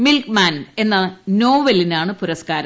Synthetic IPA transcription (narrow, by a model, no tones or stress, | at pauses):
milkmaːne̞nːɐno̞ːʋɐlinaːɳɨpuɾɐskaːɾɐ